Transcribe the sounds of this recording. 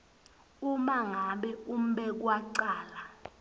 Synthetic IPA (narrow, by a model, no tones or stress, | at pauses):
umaŋaɓɛum̩ɓɛk̬waǀaːla